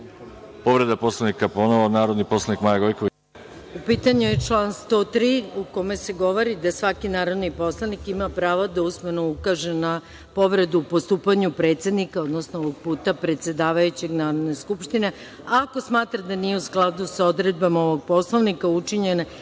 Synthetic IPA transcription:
poʋɾed̪aposlaʋnikaponoʋonaːɾod̪niposlˠanikmajaɡojkoʋi | upiːt̪aɲuje̞t͡ʃlˠaːnst̪o̞t̪ɾiːuko̞me̞se̞ɡo̞ʋo̞ɾid̪asʋakinaːɾo̞d̪nipo̞slˠanikimapɾaːʋad̪ausmenoukaʒena | po̞ʋɾe̞d̪uːpo̞st̪uːpaɲupɾe̞t̪sjed̪nikao̞d̪nosnooʋo̞ɡ̚puːt̪apɾe̞t̪sjed̪aːʋajut͡ɕe̞ɡnaːɾod̪ne̞skupʃt̪ine̞ | ako̞smaːt̪ɾad̪anije̞usklˠad̪uso̞d̪ɾe̞d̪̚bamaoʋo̞ɡ̚po̞slˠoʋnikaut͡ʃiɲe̞ne

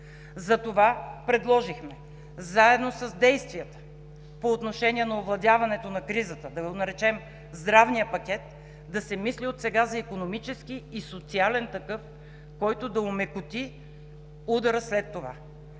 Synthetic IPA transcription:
zɐt̪ovapɾɛd̪lˠɔʒixmɛ | zaɛd̪nosɐzd̪ɛjst̪viət̪ə̥ | poːt̪noʃɛnʲiɛnɐovlˠɐd̪ʲjavɐnɛt̪onɐkɾizət̪əd̪ɐɡonɐɾɛt͡ʃɛm | zd̪ɾavnijəpɐkʲɛt̪̚ | d̪ɐsɛmisliot̪sɛɡazɐikonomit͡ʃɛskiːsot̪sialɛnt̪ɐkɤf | kɔjt̪od̪ɐʊmɛkʊt̪i | ud̪ɐɾəslɛt̪ːova̰

